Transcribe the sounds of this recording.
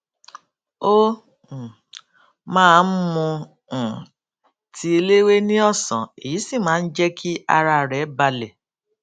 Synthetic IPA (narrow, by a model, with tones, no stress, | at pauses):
o˦˨ | mãː˦˧n̩˦mũ˧˨ | tʰi˦e˧le˦we˦nĩ˦ɔ˦˨sɔ̰̃˨e˨ji˨˦si˦˨mãː˨˦˧n̩˦d͡ʒɛ˦kʰi˦a̰˧ɾa˧˨ɾɛ˨˦ba˧lɛ˨